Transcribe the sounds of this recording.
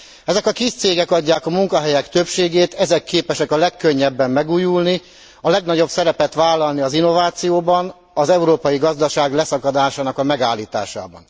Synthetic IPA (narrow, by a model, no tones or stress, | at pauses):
ɛzɛkɒkist̪seːɡɛkɒɟːaːkɒmuŋkɒɦɛjɛkt̪ø̞pʃeːɡeːt̪ɛzɛkːeːpɛʃɛkɒlɛkːøɲːɛbːɛmːɛɡuːjulni | ɒlɛɡnɒɟo̞bsɛɾɛpɛt̪ʋaːlːɒlniɒzinːo̞vaːt̪sijoːbɒn | ɒzɛuɾoːpɒjiɡɒzd̪ɒʃaːɡlɛsɒkɒd̪aːʃaːnɒkɒmɛɡaːlːiːt̪a̰ːʃa̰ːbɒ̰n